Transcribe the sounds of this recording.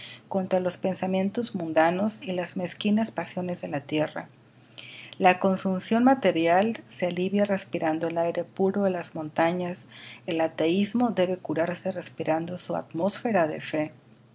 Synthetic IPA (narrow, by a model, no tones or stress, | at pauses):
ko̞nt̪ɾalo̞spe̞nsamje̞nt̪o̞zmũnd̪ano̞silazme̞skinaspasjo̞ne̞zðe̞lat̪je̞ra̰ | lako̞nsumsjo̞nmat̪e̞ɾjalsealiβjare̞spiɾand̪o̞elajɾepuɾo̞elazmõ̞nt̪aɲase̞lat̪e̞izmo̞ðe̞βe̞kuɾaɾse̞re̞spiɾand̪o̞sua̰t̪mo̞sfe̞ɾaðe̞̰fe̞